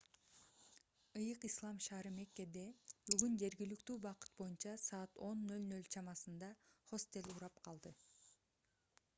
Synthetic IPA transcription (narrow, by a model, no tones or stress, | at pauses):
ɯjɯqislˠɑmʃɑːɾɯmekːe̞d̪e̞byɡynd͡ʒe̞ɾɡilykt̪yːbɑqɯ̥t̪̚bo̞junt͡ʃɑsɑːt̪o̞nːø̞lnø̞lt͡ʃʰɑmɑsɯnd̪ɑχo̞st̪e̞lʲuɾɑpqʰɑlˠd̪ɯ